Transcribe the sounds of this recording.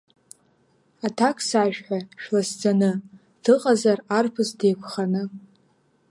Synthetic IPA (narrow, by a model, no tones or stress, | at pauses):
atʰakʰʼsaːʒᶣħʷaʃᶣlasd͡zanɨ | d̥ɨqʼazararpʰɨzdejkʷʰχanɨ